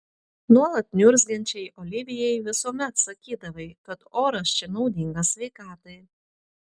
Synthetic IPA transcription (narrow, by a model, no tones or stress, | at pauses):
nuɔlˠɐt̪̚nʲʊɾʲzʲɡʲɛnʲt͡ʃʲɛɪʔɔlʲɪʋʲɪjɛjʋʲɪsuɔmʲɛt̪sɐkʲiːd̪ɐʋɐɪkɐt̪oːɾɐʃʲt͡ʃʲɛnɒʊd̪ʲɪŋɡɐsʲʋʲɛɪkɑːt̪ɐɪ